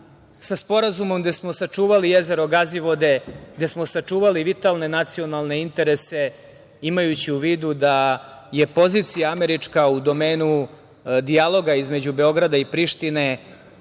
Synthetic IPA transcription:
saspo̞ɾazumo̞mɡ̪d̪esmo̞sat͡ʂuːʋalije̞ze̞ɾo̞ɡaziʋo̞d̪e̞ɡd̪e̞smo̞sat͡ʂuːʋaliʋit̪alˠne̞nat̪sio̞nalˠne̞int̪e̞ɾe̞se̞ | imajut͡ɕiuʋiːd̪ud̪aje̞po̞ziːt̪sijaameɾit͡ʂkaud̪o̞meːnu | d̪ialo̞ɡaizme̞d͡ʑube̞o̞ɡɾad̪aipɾiʃt̪ine̞

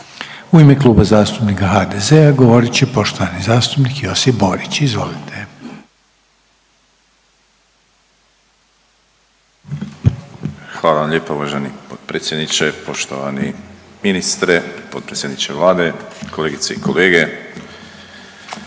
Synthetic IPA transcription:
uimeklˠuːbazaːst̪upnikaxad̪ezeaɡo̞ʋo̞ɾit͡ɕepo̞ʃt̪oʋanizaːst̪upnikijo̞sipbo̞ɾit͡ɕizʋo̞̰lit̪ʰe | xʋaːlˠaʋamʎeːpauʋaʒenipot̪̚pɾet̪sjed̪nit͡ʃepo̞ʃt̪o̰ʋa̰nḭminist̪ɾepot̪̚pɾesʲjed̪nit͡ʃeʋlaːd̪ekʰoleɡit̪seikʰoleːɡe

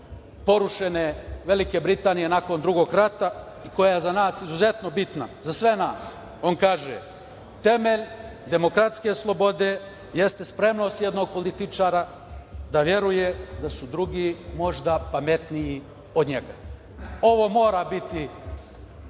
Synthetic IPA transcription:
po̞ɾuʃeneʋe̞likebɾit̪aːnije̞nako̞nd̪ɾuɡo̞ːɡɾat̪a | iko̞jaajezanaːsizuze̞t̪no̞bit̪nazasʋe̞naːs | o̞nkaːʒḛ | t̪e̞meʎd̪e̞mo̞kɾat̪ske̞slˠo̞bo̞d̪e̞ | je̞st̪e̞spɾe̞mno̞ːst̪jed̪no̞ɡ̚po̞lit̪it͡ʃaːɾa | d̪aʋje̞ɾujed̪asud̪ɾuɡimo̞ʒd̪apame̞t̪nii | o̞d̪ɲeɡa | o̞ʋo̞ːmo̞ːɾabit̪i

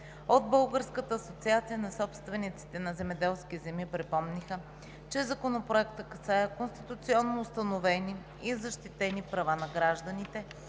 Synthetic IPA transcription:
od̪bɤlˠɡəɾskət̪əːsot̪siat̪sijənɐsɔpst̪vɛnit̪si̥t̪ɛnɐzɛmɛd̪ɛlˠskʲizɛmipɾɛpɔmnixə | t͡ʃɛzɐkonopɾoɛkt̪əkɐsajəkonst̪i̥t̪ʊt̪siɔnːoːst̪ɐnovɛni | izɐʃt̪it̪ɛnipɾɐvanɐɡɾaʒd̪ənit̪ɛ

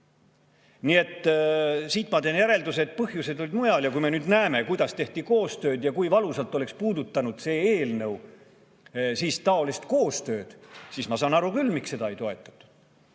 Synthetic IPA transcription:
nie̞t̪ː | siːt̪ːˑmɑt̪e̞ːnjæɾe̞ld̪uset̪̚ˑpɤhjuse̞d̪olid̪mujɑljɑkujme̞nyːd̪næeme̞kujd̪̥ɑst̪e̞ht̪iko̞ːst̪ø̞ːd̪̥jɑkujvɑlusɑlt̪ːˑole̞kspuːd̪ut̪ːɑnud̪̥se̞ːeːlnɤw | siːst̪ɑo̞list̪ko̞ːst̪ø̞ːd̪̥siːsmɑsɑːnɑɾukylːmikse̞d̪ɑejt̪o̞e̞t̪ːˑɑ̥t̪ːˑu̥d̪̥

